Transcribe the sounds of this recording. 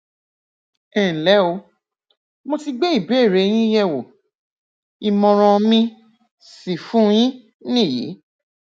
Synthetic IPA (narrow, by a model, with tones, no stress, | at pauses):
ɛ˨lɛ˨˦o˧ | mo˧ti˧ɡ͡be˦i˦˨be˨˦˨ɾe˨˦j̃ĩ˦jɛ˦˨wo˨ | i˧mɔ̃˧ɾ̃ɔ̃˧mĩ˧ | si˨fũ˦j̃ĩ˦ | nĩ˦˨jḭ˨˦